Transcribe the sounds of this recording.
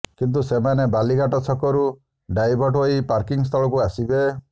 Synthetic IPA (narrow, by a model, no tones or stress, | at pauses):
kint̪̬usemanebaliɡaʈɔt͡ʃʰɔkɔɾu | ɖajbʱɔɾʈɦoipaɾkiŋs̬t̪ʰɔɭɔkuasibe